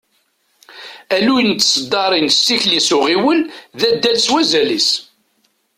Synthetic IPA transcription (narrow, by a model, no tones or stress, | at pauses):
ælujnt͡s̪ːsəd̪ːɑɾˤinsːiçlisʊʁiwəlðæd̪ːælswæzælis